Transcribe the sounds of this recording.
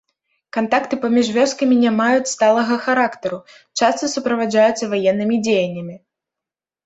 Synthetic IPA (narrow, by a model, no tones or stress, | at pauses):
kant̪akt̪ɨpamʲiʐvʲɔskɐmʲinʲamajut͡sʲst̪alˠɐɣɐxaɾakt̪ɐɾu | t͡ʂast̪ɨsupɾɐvad͡ʐajut̪sːɐvajɛnːɨmʲid͡zʲejɐnʲːɐmʲi